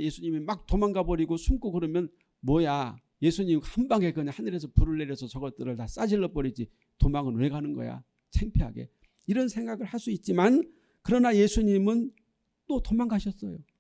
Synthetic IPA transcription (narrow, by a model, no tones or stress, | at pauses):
je̞sʰuɲimimak̚t͈omaŋɡabʌɾiɡosʰumk͈okɯɾʌmjʌn | mwʌja | je̞sʰuɲimhambaŋe̞kɯɲahanɯɾe̞s̬ʰʌpuɾɯɭːeɾjesʰʌsʌɡʌt͈ɯɾɯɭtas͈ad͡ʑiɭːʌp͈ʌɾid͡ʑi | tomaŋɯnweɡanɯnɡʌ̰ja̰ | t͡ɕʰeŋpʰeɦaɡe̞̰ | iɾʌnsʰe̞ŋɡaɡɯɭhas͈uit̚t͡ɕ͈iman | kɯɾʌnaje̞sʰuɲimɯn | t͈otomaŋɡaɕʰʌs͈ʌjo